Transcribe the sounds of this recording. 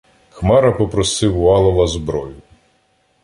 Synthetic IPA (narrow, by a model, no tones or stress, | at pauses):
xmɑɾɐpɔpɾɔsɪwʊɑlˠɔʋɐzbɾɔjʊ